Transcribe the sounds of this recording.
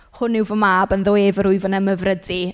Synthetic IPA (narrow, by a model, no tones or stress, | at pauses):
hʊnɪwvɔmaːbənðoːevəɾʊɨvənəməvrədi